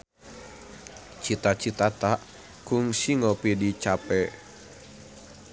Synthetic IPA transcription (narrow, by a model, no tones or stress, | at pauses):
t͡ʃit̪at͡ʃit̪at̪aʔ | kuŋsiŋɔpidit͡ʃapɛ